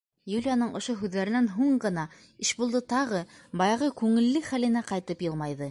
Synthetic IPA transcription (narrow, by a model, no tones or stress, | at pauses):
julʲijanɤɴʔŏʃoɦʉðːæɾɘ̆nænɦuɴɢɤ̆nɑ | ɘʃbulˠd̪ɤt̪ɑʁɤbɑjɑʁɤkʉŋɘ̆lːɘχælɘ̆næqɑjt̪ɤpjɤlˠmɑjðɤ